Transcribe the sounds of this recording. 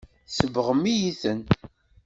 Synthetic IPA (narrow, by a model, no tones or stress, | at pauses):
səvəʁəmːijiθən